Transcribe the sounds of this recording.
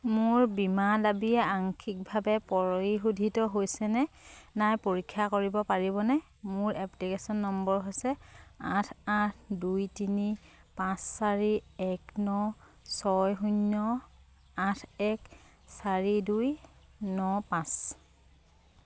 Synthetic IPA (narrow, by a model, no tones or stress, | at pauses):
mʊɹbimadabiɛaŋkʰik̚bʱabɛpɔɹoiɦudʱitɔɦojsɛnɛnajpoɹikʰːakoɹibɔpaɹibɔnɛ | mʊɹʔɛplikesɔnːɔmbɔɹɦojsɛatʰatʰdujtini | pãsːaɹiɛknɔ | sɔjɦuɲːɔ | ãtʰɛk | saɹidujnɔpãs